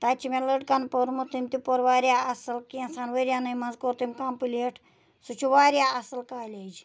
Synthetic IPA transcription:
t̪aːt͡ʃʰimeləɖkɐnpoɾmut̪imt̪ipoɾʋaːɾʲjaːɐsɨlkiɐ̃nsanʋəɾjaːnɐjmɐnzkoɾt̪imkaːmpɨleʈʰ | sut͡ʃʰuʋaːɾʲjaːɐsɨlkaːlʲed͡ʒ

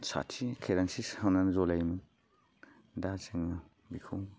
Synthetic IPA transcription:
sa̰tʰikʰeɾansishawnanzɔlajmɯ | dat͡ʃɯŋa | bikʰuw

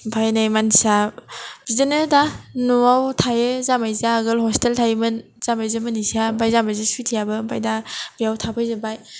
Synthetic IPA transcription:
pʰajnajmanisabizanɯdanuawtʰajɯzamajzaɡɯlhɔsteltʰajmɯn | z̥amajzɯmɯnisiabajzamajzɯsujtʰijabɯba̰jdabijawtʰapʰajzɯbaj

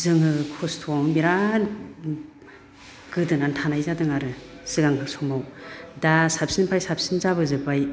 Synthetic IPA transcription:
zɯŋɯkʰɔstʰɔmmiɾan | ɡ̥ɯdɯnantʰanajzadɯŋaɾɯ | sɯɡaŋkʰɯŋsʰɔŋmawdasapʰsinpʰajsapʰsinzaβɯzɯbaj

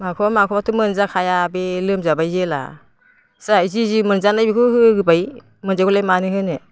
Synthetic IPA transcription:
makʰɔmakʰɔmatʰumɯnzakʰajabelɯmzabajzela̰ | sajzizimɯnzanajbikʰɯhɯɡɯbaj | mɯnzaɡulajmanɯhɯnɯ

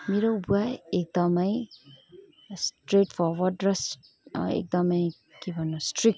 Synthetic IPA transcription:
meɾʌwbuajek̚d̪ʌmʌj | sʈreʈfʰɔɾwʌɖrʌs | ḛk̚d̪ʌmʌj | kebʱʌnːusʈrik̚

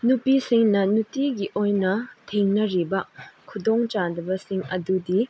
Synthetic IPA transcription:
nupisiŋnɐnutiɡiʔojnɐtʰeŋnɐɾibɐkʰudoŋt͡ʃadɐbɐsiŋɐ̰dudi

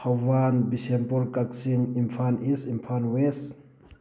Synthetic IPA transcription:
awanbisempɔɾkaksinimfʰanisimpʰanwes

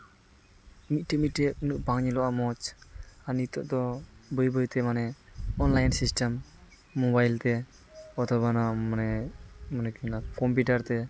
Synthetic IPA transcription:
mit̪̚ʈɛmiʈɛʔ̚nuʔbaŋɲɛlɔʔamɔt͡ʃanit̪ɔ̰ʔd̪ɔbɔjbɔjt̪ɛmanɛɔnlajnsisʈɛmː | ɔbajlt̪ɛ | ɔt̪ɔbanamanɛmɔnɛkinakɔmpiʈaɾt̪ɛ

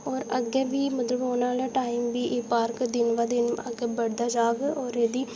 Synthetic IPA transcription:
ɔːɾəɡɛːʋiːmət̪ləboːnaːlaːʈaːiːmʋiːʔeːpaːɾkd̪ɪnʋaːd̪ɪnə̰ɡɛːbəɽd̪aːd͡ʒaːɡoːɾeːd̪iː

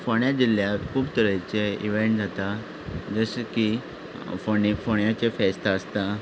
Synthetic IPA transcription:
foɳjad͡ʑil̤jakʰuːbt̪əɾət͡seiʋeɳʈ̚d͡zʱat̪a | d͡zəseki | fofoɳjat͡ɕefɛst̪aəst̪a

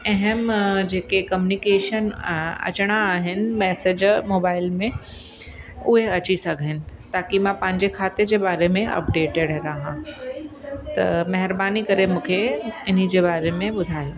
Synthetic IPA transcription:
ɛɦɛmd͡ʑeːkekɐmjunikeːʃənɐ̰t͡ɕɽ̃aːɦɪnɪ̆mɛːsed͡ʑmoːbaːɪlmẽ | ʊɦeɐt͡ɕisɐɡʱɪnɪ̆ | t̪aːkimãpɐ̃ɦɪ̃ɲd͡ʑekʰaːt̪ed͡ʑebaːɾemẽʔɐ̰pɖeːʈeɖɾaːɦã | t̪ɐ̰mɐɦɪɾbaːnikɐɾemũːkʰeɪn̤ĭd͡ʑebaːɾemẽbʊd̪ʱaːjo

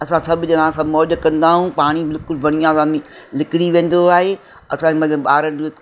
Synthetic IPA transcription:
ɐsãsɐbʱɪd͡ʑɐnãːsãmɔːʄkɐ̃nd̪aːɦũpaːɽ̃ibɪlɪkʊlbʱɐɽ̃ijãsãːĩ | lɪkɪɽiʋẽːn̆d̪oaːɦe | ɐ̰sãemɐt̪əbɓaːɾənd͡ʑo

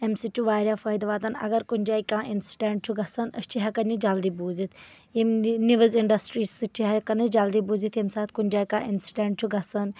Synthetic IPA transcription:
emsiʈuʋaːɾjaːfɐːjd̪ʋaːt̪ɐnɐ̰ɡɐɾkunʲd͡ʒaːikãːʔinsi̥ɖẽːɳʈ̚t͡ʃʰuɡɐsɐnɐ̰st͡ʃʰiɦakɐnid͡ʒald̪iːbuːzit̪ʰ | imniʋəziɳɖɐsʈɾiːsɨt͡ʃʰiɦakɐnɨd͡ʒald̪iːbuːzit̪emsaːt̪ʰkunʲd͡ʒaːikã̰ːʔɪnsi̥ɖẽːɳʈ̚t͡ʃʰuɡɐsɐn

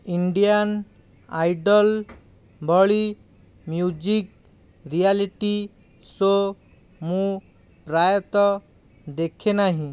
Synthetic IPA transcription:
iɳɖijan | ajɖɔl | bʱɔɭi | mjud͡ʒik | ɾialiʈi | so | mũ | pɾajɔt̪ɔ | d̪ekʰenaɦĩ

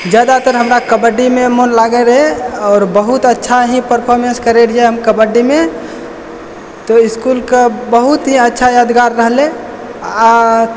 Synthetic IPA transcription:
d͡ʒjaːd̪at̪əɾɦəmɾakəbəɖimẽmonlaːɡeɾəɦeɔːɾbəɦʊt̪ətːʃʰaɦipəɾpʰoɾmenskəɾeɾieɦəmkəbəɖːimẽ | t̪oɪskulkabəɦʊt̪ɦiətːʃʰajaːd̪ɡaːɾːəɦlẽ

